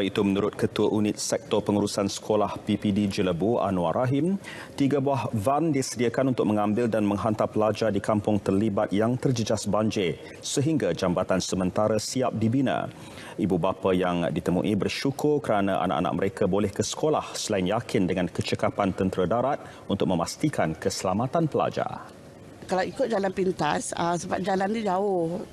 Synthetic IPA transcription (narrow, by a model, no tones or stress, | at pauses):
ait̪umənuɾʊt̪̚kət̪uəʔunɪt̪̚sɛk̚t̪ɔpəŋuɾusansə̥kʰolahpipidid͡ʒələbua̰nuaɾʔaɦɪm | t̪iɡabuahvandisədiakanunt̪ʊk̚məŋãmbɪldanmə̃ŋɦant̪apəlad͡ʒadikampʊŋt̪ərlibat̪̚jaŋt̪ərd͡ʒəd͡ʒasbaɲd͡ʒe | səɦiŋɡad͡ʒambat̪ansəmə̃nt̪aɾasiap̚dibinã̰ | ibubapajaŋdit̪əmṵʔibərʃukʰʊrkəɾanaʔa̰na̰ʔa̰na̰ʔ̚məɾekʰabolɛhkəsə̥kʰolahsəlaɪnjakʰɪndəŋankət͡ʃəkapant̪ənt̪əɾədaɾat̪̚ | unt̪ʊk̚mə̃mast̪ikʰankəsəlamat̪anpəla̰d͡ʒa̰ | kalawikʊt̪̚d͡ʒalanpint̪asasəbap̚d͡ʒalant̪ud͡ʒaʊh